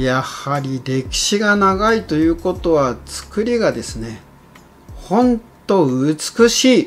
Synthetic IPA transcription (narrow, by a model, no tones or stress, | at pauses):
jahaɾʲiɾʲe̞kʲi̥ɕiɡanaɡait̪o̞jɯ̟ːko̞t̪o̞βat͡sɨ̥kɯ̟ɾʲiɡad̪e̞sɨne̞ | hõ̞ntt̪o̞ɯt͡sɨ̥kɯ̟ɕiː